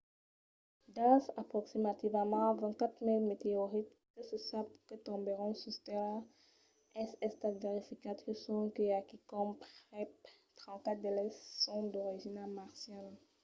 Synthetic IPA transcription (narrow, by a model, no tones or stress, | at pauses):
d̪ãsapχɔksimat̪ivəmɑ̃vɛ̃kat̪χmilmet̪eɔʁit̪ː | əsəsapkət̪ɔ̃beʁɔ̃sust̪ɛl | ɛsɛst̪at̪veʁifikat̪isɔ̃kəakikɔmpχɛp̚ | t̪χɑ̃kat̚d̪elɛssɔ̃d̪ɔʁiʒinamaʁsjal